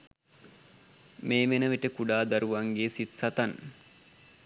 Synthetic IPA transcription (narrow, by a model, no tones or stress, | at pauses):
meːmenəʋiʈəkuɖaːd̪aɾuʋaŋɡeːsit̪sɐt̪an